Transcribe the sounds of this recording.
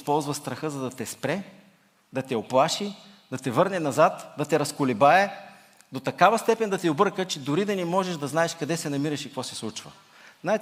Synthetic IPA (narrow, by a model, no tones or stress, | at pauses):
spɔlˠzvɐst̪ɾɐxɤzɐd̪ɐt̪ɛspɾɛ | d̪ɐt̪ɛoplˠaʃi | d̪ɐt̪ɛvɤɾnɛnɐzat̪d̪ɐt̪ɛɾɐskʊlɛbaɛ | d̪ot̪ɐkavɐst̪ɛpɛnd̪ɐt̪iobɤɾkət͡ʃɛd̪ʊɾid̪ɐnimɔʒɛʃd̪ɐznaɛʃkɐd̪ɛsɛnɐmiɾɐʃikkvɔsɛslˠut͡ʃvə̰ | naɛ